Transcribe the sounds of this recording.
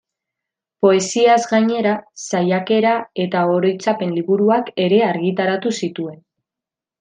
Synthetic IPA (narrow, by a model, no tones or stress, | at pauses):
po̞e̞siazɡaɲe̞ɾasajake̞ɾae̞t̪ao̞ɾo̞jt͡sape̞nliβuɾuake̞ɾe̞aɾɣit̪aɾat̪usit̪ue̞n